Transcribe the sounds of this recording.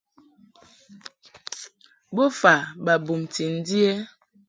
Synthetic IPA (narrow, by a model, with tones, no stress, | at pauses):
bo˦fa˨ba˨bu˨mti˨n̩˦di˦ɛ˦